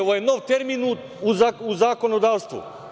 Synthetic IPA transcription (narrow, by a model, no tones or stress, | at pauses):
oʋojenoʋt̪eɾminu | uzauzako̞nod̪aːʋst̪ʋṵ